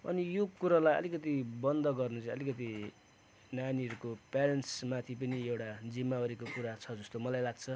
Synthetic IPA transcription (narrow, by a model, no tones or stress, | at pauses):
ʌ̰nijokuɾalajʌ̰likʌt̪̬ibʌnd̪ʌɡʌrnut͡sʌ̃ʌlikʌt̪̬i | naniʌɾukopeɾenʈsmat̪ʰipʌniewʈad͡zimːaʌɾikokuɾat͡sʰʌd͡zʌst̪omʌlajlaɡ̚t͡sʰʌ